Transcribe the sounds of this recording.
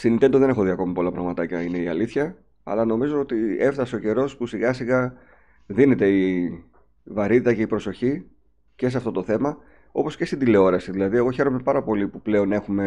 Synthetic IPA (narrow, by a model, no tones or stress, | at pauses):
st̪init̪e̞nd̪oðe̞ne̞xo̞ðiɐko̞mipo̞lɐpɾɐ̰ɣmɐt̪ɐcɐine̞iɐ̰liθçɐ | ɐ̰lɐno̞mizo̞ot̪ie̞ft̪ɐseo̞ce̞ɾo̞spusiɣɐsiɣɐ | ðine̞t̪e̞i | vɐɾit̪it̪ɐce̞ipɾo̞so̞çi | ce̞s̬eɐft̪o̞t̪o̞θe̞mɐ | o̞po̞sce̞st̪ind̪ile̞o̞ɾɐsiðilɐðie̞ɣo̞çe̞ɾo̞me̞pɐɾɐpo̞lipuple̞o̞ne̞xume̞